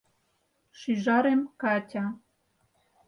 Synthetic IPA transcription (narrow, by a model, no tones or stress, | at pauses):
ʃyʒɑɾemkɑtʲɑ